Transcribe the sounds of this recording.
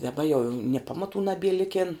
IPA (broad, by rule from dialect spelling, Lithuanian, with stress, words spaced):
dɐˈbɐ joː jɛʊ nʲiɛ ˈpɑːmɐˌtuː nɐˈbʲiɛ ˈlʲɪkʲeːn